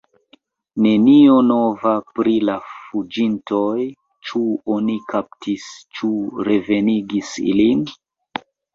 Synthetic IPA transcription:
ne̞nio̞no̞vapɾilafud͡ʒintʰo̞j | t͡ʃuo̞nikʰap̚tist͡ʃuɾe̞ve̞niɡisḭlin

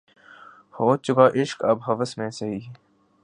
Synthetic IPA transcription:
hoːt̪̚t͡ʃʊkaːʔɪʃkɐbɦɐʋəsmẽːsɐɦiː

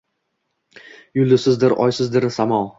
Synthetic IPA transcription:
jʊlˠɪsɪzd̪ɪɾɒ̰jsɪzd̪ɪɾsamɒlˠ

